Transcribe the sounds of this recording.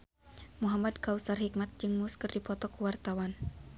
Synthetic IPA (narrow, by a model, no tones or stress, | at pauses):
muɦamad̪̚kausarhik̚mat̪̚d͡ʒɨŋmuskɨrdipɔt̪ɔkuwart̪awan